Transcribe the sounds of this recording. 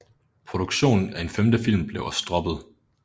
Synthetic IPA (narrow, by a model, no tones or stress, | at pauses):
pʰʁo̝d̥uɡ̥ɕo̝̰ːnn̩æe̝nfemd̥əfil̰mb̥le̝ʊɐsd̥ʁɒ̽b̥ð̩ˠ